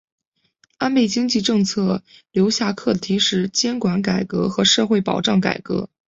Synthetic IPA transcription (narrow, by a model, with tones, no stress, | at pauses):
a˥npe˥˩ɪt͡ɕi˥ŋt͡ɕi˥˧ʈ͡ʂɤ˥˧ŋt͡sʰɤ˥˩ljo˧˥ʊɕja˥˧kʰɤ˥˩d̪ə˩t̪ʰi˧˥ʂɻ̩˧˥˩t͡ɕjɛ˥nkwa˧˥nka˨˩ɪkɤ̰˧˥xɤ˧˥ʂɤ˥˧xwe˥˩ɪpɑ̰˨˩ʊʈ͡ʂɑ˥˩ŋka̰˨˩ɪkɤ̰˧˥